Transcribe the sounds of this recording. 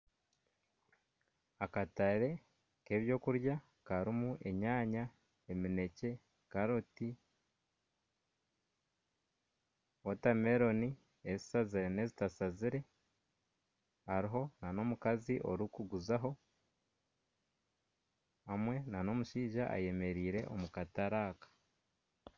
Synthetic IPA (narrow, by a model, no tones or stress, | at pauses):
akataɾe̞ | ke̞βjo̞ːkuɾja | kaɾimuʔe̞ɲaːɲa | e̞mine̞ce̞ | kaɾoti | wotame̞ɾo̞ni | e̞zisaziɾene̞ːzitasaziɾe̞ | aɾiɦo̞nano̞mukaziʔo̞̰ɾikuɡuzaɦo̞ | amwe̞nano̞muʃiːʒaʔa̰je̞me̞ɾiːɾe̞̰ʔo̞̰mukataɾaːkḁ